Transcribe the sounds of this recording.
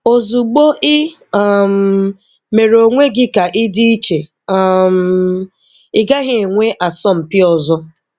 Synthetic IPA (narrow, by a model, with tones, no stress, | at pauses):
o˨zu˨ɡ͡bo˦ʔɪ˦˨ | m̩˨ | me˨ɾo˨ŋʷe˦ɡɪ˦ka˨ʔɪ˦di˦i˦t͡ʃe˨˦˨ | m˦˨ | ɪ˦ɡa˦ɦɪ˦e˨ŋʷe˦ʔa˨sɔ˦m̩˨pɪ˦ɔ˨zɔ˦